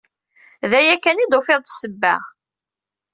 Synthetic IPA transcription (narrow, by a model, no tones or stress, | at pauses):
ðæjækːænid̪ofɪðˤt̪səbːæ̰